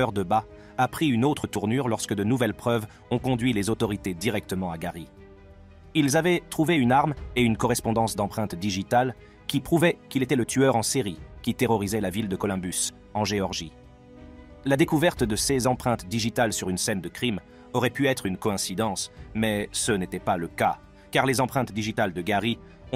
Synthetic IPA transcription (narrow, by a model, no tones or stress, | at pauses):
œʁd̪əba | apχiynot̪χət̪uʁnyʁlɔʁskəd̪ənuvɛlpχœv | ɔ̃kɔ̃d̪ɥilezot̪ɔʁit̪ed̪iʁɛk̚t̪əmɑ̃aɡaʁi | ilzavɛt̪χuveynaʁmeynkɔʁɛspɔ̃d̪ɑ̃sd̪ɑ̃pχɛ̃t̪d̪iʒit̪al | kʲipχuvɛkʲilet̪ɛlət̪ʰyœʁɑ̃siʁikʲit̪eʁɔʁizɛlavild̪əkɔlɔ̃bys | ɑ̃ʒeɔʁʒi | lad̪ekuvɛʁt̪d̪əsezɑ̃pχɛ̃t̪d̪iʒit̪alsyʁynsɛnd̪əkχim | ɔʁɛpyɛt̪χynkɔɛ̃sid̪ɑ̃smɛsənet̪ɛpaləka | kaʁlezɑ̃pχɛ̃t̪d̪iʒit̪ald̪əɡaʁi | ɔ̃